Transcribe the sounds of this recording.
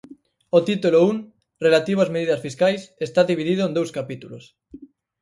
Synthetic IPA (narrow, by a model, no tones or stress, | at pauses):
ot̪it̪ulouŋ | relat̪iβazmeðiðasfiskajsest̪aðiβ̞iðiðoẽnd̪owskapit̪ulos